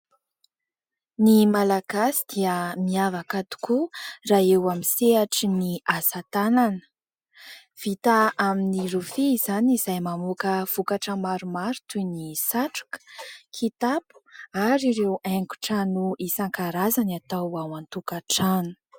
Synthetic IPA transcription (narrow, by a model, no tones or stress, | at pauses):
nimalaɡ̥asid̪̥iəmiavakat̪u̥kuraewamiseaʈ͡ʂiniasat̪ananə̥ | v̥it̪aaminirufiːzanizajmamukəv̥ukaʈ͡ʂəmaɾumaɾu̥t̪ujnisaʈ͡ʂu̥kə̥kʰit̪apu̥aɾiɾeweŋku̥ʈ͡ʂənuisaŋkaɾazanat̪awawant̪ukaʈ͡ʂanu̥